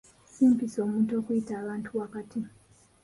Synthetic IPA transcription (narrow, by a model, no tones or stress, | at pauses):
siːmpiso̞ːmuːto̞kwitaːβaːntʰuwakati